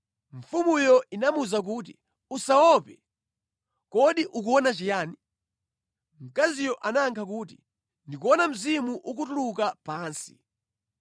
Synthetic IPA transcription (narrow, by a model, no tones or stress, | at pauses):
ɱ̩fumujɔinamuzak̬uːt̬ḭ | usawɔpɛ | kɔɗiʔuk̬uɔnat͡ʃijaːni | m̩kazijɔʔanaŋkʰak̬uːt̬i | ndikuɔnam̩zimuʔuk̬utulukapaːnsi̥̰